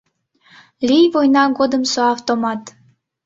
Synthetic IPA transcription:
lʲijvojnɑɡod̪əmsoɑft̪omɑt̪

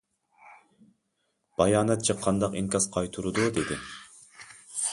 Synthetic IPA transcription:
b̥ɑjɑːnɛt̪̚t͡ʃʰɨqʰːɑnd̪ɑqiŋkɑsqʰɑjt̪ʰuɾud̪ud̪ed̪ɪ

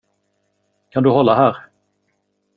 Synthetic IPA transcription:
kʰand̪ɵhɔlːaɦæːɾ

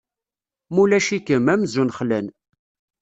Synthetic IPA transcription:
mulæʃikəmæmzunχlæn

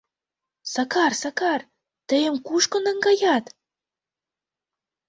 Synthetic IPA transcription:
sɑkɑrsɑkɑr | t̪ə̆jə̆mkuʃkŏnə̆ŋɡɑjɑt̪

